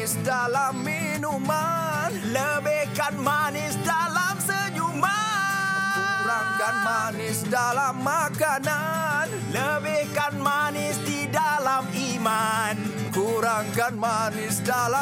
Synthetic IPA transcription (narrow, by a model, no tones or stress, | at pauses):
ɪsdalamːi | numan | ləbɛhkanmanɪsdalamsəd͡ʒuma | kuɾaŋkanmaanɪsdalamːakanan | ləbɛkanmanɪsdidalamiman | kuɾaŋkanmanɪsdala